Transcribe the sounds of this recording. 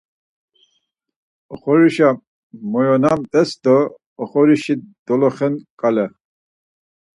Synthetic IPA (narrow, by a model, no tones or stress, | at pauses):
ɔχɔɾiʃa | mɔjɔnamt̪ʼɛsd̪ɔː | χɔɾiʃid̪̥ɔlɔχɛnkʼalɛ